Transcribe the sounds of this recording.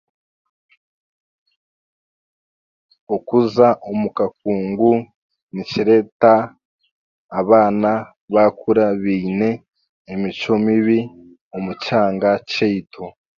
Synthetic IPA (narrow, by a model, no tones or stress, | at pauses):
okuzaʔomukak̚uːŋɡu | nit͡ʃiɾe̞ta | βaːna | βakuɾaβiːne̞ː | mit͡ʃo̞miβi | omut͡ʃaːŋɡat͡ʃeitʰo